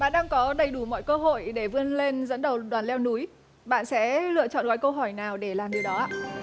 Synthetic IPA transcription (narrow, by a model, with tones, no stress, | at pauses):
ɓa̰ː˧˨nɗaː˧ŋkɔ˨˦ɗə˨˩jɗu˧˩mɔ̰˧˨jkəː˧ɦo̰˧˨jɗe˧˩vɨ˧ənle˧nzə̰˧˥nɗə˨˩wɗwaː˨˩nlɛ˧wnu˨˦j | ɓa̰ː˧˨nsɛ̰˧˥lɨ̰˧˨ət͡ɕɔ̰˧˨nɣɔː˨˦jkə˧wɦɔ˧˩jnaː˨˩wɗe˧˩laː˨˩mɗɨ˨˩wɗɔ˨˦ʔa̰ː˧˨